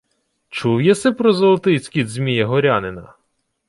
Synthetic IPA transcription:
t͡ʃuwjɛsɛpɾɔzɔlˠɐt̪ɪt͡sʲkʲid̪ʲzmʲijɐɦɔɾʲanɪnɐ̰

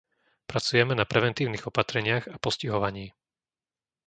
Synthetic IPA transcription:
pɾat͡sujɛmɛnapɾɛʋɛnt̪iːʊniɣɔpat̪ɾɛɲɪaɣapɔsciɦɔʋaɲiː

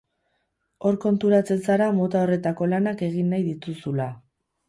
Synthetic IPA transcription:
o̞ɾko̞nt̪uɾat͡se̞nsaɾamo̞t̪ao̞re̞t̪ako̞lanake̞ɣinːajðit̪usula

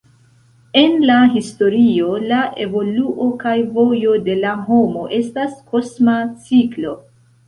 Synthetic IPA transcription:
e̞nlaɦisto̞ɾio̞laʔe̞vo̞luʔo̞kajvo̞jo̞de̞laɦo̞moʔe̞staskʰo̞smat͡siklo̞

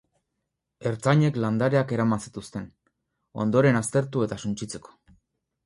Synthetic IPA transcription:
e̞ɾt͡saɲe̞kland̪aɾe̞ake̞ɾamasi̥t̪ust̪e̞n | o̞̰nd̪o̞ɾe̞nast̪e̞ɾt̪ue̞t̪asunt͡ʃit͡se̞ko̥

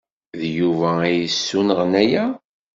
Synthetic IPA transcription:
ðjuvææjəsːunəʁnæjæ

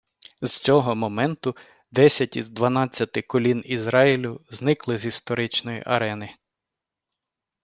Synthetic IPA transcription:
z̥t͡sʲɔɦɔmɔmɛnt̪ʊ | d̪ɛsʲɐtʲizd̪ʋɐnɑt͡sʲːɐt̪ɪkɔlʲinizɾɑjilʲʊznɪklˠɪzist̪ɔɾɪt͡ʃnɔjḭʔɐɾɛnɪ

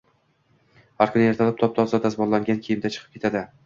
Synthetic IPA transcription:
haɾkʰʊneɾt̪ʰalɪpt̪ʰɒp̚t̪ʰɒzd̪ad̪asmɒlaŋɡʲankʲʰejɪmd̪at͡ʃʰɨ̥qʰɨ̥pkʲʰe̞t̪ʰad̪ɪ

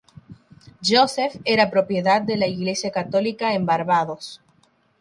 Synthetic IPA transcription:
ʝosefeɾapɾo̞pje̞ðad̪̚d̪e̞laiɣle̞sjakat̪o̞likaembaɾβaðo̞s

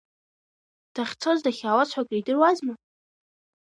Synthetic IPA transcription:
d̥aχʲt͡sʰozdaχʲaːwat͡sʰħʷakʼridɨrwazma

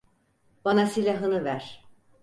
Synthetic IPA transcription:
b̥anasilʲaɦɯnɯvæɾ̥

